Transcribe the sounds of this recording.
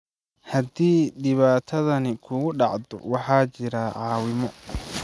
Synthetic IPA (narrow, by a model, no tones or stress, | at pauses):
hɐd̪iːdɪβaːt̪ʰɐðɐnɪkʰʊɣʊɖɑʕd̪ɔ̰wɑħɑːt͡ʃɪɾaʕɑːwɪmɔ